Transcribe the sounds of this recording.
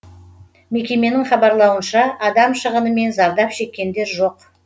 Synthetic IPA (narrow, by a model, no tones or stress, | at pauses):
me̞kʲe̞me̞nɪŋχɑbɑɾlˠɑwənʃɑʔɑd̪ɑmʃəʁənəme̞nzɑɾd̪ɑpʃe̞kʲːe̞nd̪e̞ɾʒo̞q